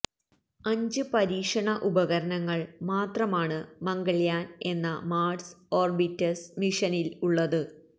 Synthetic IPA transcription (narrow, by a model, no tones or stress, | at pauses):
ɐɲd͡ʑɨpɐɾiːkʂɐɳɐʔubɐɣɐɾɐnɐŋːɐɭmaːt̪rɐmaːɳɨmɐŋɡɐɭjaːne̞nːɐmaːɖso̞ːrbitːɐsmiʂɐniluɭːɐðɨ